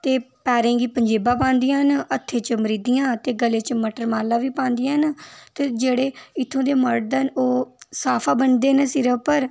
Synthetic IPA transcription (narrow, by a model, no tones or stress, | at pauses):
t̪eːpɛːɾẽːɡiːpəɲd͡ʒeːbaːpãːnd̪ijãːɦnət̪ʰːeːt͡ʃəməɾiːd̪ijãːt̪eːɡəleːt͡ʃəməʈəɾmaːlaːʋiːpãːnd̪ɪjãːɦnt̪eːd͡ʒeːɽeːɪt̪ʰːõːd̪eːməɾd̪ənoːsaːpʰaːbənd̪eːnəsɪɾəpəɾ